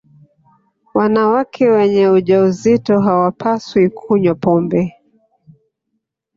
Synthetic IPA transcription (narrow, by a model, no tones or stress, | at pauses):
wanawakʰɛwɛɲɛuʄauzitɔɦawapʰaswikʰuɲwapɔmbɛ